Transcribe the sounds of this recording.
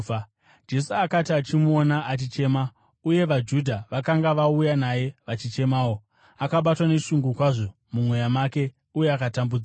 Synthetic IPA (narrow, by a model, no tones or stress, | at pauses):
d͡ʒe̞suakatiat͡ʃimuonaʔat͡ʃit͡ʃe̞ma | uje̞ʋad͡ʒudʱaʋakaŋɡaʋaujanaje̞ʋat͡ʃit͡ʃe̞maːo̞ | akaɓatwane̞ʃuŋɡukwaʐo̞ | mumwe̞jamaːke̞ | uje̞akatambud͡za